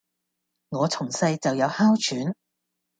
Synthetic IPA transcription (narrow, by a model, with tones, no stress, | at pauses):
ŋɔː˨˧t͡sʰʊ˨˩ŋsɐ˧jt͡sɐ˨wjɐ˨˧˥whaː˥wt͡ʃʰyː˨˥n